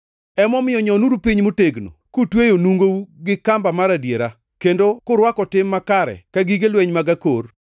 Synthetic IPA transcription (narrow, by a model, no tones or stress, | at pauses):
ɛmɔmɪjɔɲɔnuɾupiɲmʊteɡno̰kutwejonuŋɡouɡɪkambamaɾadjeɾa | kendokʊɾwakɔtɪmːakaɾɛ̰kaɡiɡelweɲmaɡakor